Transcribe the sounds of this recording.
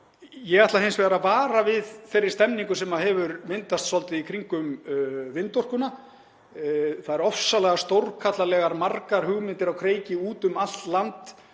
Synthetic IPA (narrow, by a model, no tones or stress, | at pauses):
jɛɣaht̪aɦejnsvɛɾavaːɾavɪðθejrɾːɪ̥ɾ̥st̪ɛmniŋkʏsɛmaɦɛvʏɾmɪnt̪ast̪sɔlt̪ɪikʰɾiŋkʏmvɪnt̪ɔr̥kʏna | θaðɛɾɔfsalɛɣast̪owɾkʰat̪lalɛɣaɾmarkaɾ̥hʏɣmɪnt̪ɪɾawkʰɾeːjcɪuːt̪ʏmal̥t̪lant̪